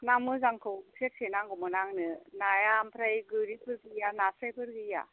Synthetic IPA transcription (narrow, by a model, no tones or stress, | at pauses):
namɯzaŋkʰɯwpʰet̚sʰenaŋɡɔmɯnaŋnɯnajampʰɾajɡɯɾipʰɯɾɡɯjanasajpʰɯɾɡɯja̰